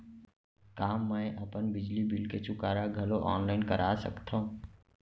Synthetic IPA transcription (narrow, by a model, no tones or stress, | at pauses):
kaːmə̃jʔɐpənbɪd͡ʒlibɪlket͡ʃʰʊkaːɾaɡʱɐloʔɔ̰ːnlaɪnkɐɾʔaːsə̰kt̪ʰaɦũː